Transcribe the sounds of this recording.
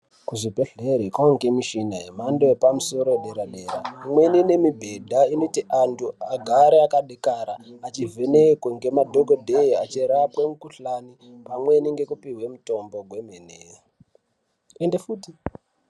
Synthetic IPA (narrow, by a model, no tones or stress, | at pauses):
kuʐibʱe̞ɬeɾekwaŋɡemiʃinaɦe̞mandoepamuso̞ɾoeɗeɾaɗeɾa̰imwe̞nine̞mibʱe̞dʱainotiʔantʰuaɡʱaɾeakaɗekaɾaat͡ʃivʱenekweŋɡe̞madʱokodʱeia̰t͡ʃiɾapwemukuɬani | pamwe̞niŋɡe̞kupiɦwe̞muto̞mbo̞ɡʱwe̞mene | endefuːti